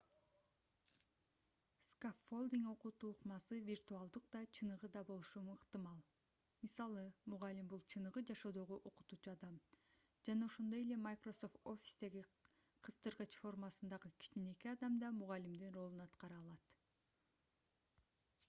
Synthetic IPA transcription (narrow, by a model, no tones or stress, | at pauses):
skaffolˠd̪iŋo̞qut̪uːqmɑsɯvʲirt̪uɑlˠd̪ɯq̚d̪ɑt͡ʃʰɯnɯʁɯd̪ɑbo̞lˠuʃumɯqt̪ɨmɑlˠ | misɑlˠɯmuʁɑlimbulˠt͡ʃʰɯnɯʁɯd͡ʒɑʃo̞ːd̪o̞ʁoʔo̞qu̥t̪uːt͡ʃuɑd̪ɑm | d͡ʒɑnɑoʃond̪oje̞le̞majkro̞so̞ft̪o̞fʲi̥sd̪e̞ɡi | qʰɯst̪ɯɾʁɯt͡ʃfo̞rmɑsɯnd̪ɑʁɯkʲʰi̥t͡ʃine̞kiɑd̪ɑmd̪ɑmuʁɑlimd̪inro̞lˠunɑt̪qɑɾɯɑːlˠɑt̪